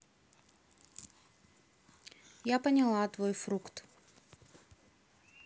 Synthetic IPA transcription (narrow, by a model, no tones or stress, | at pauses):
japənʲɪlˠat̪vojfɾukt̪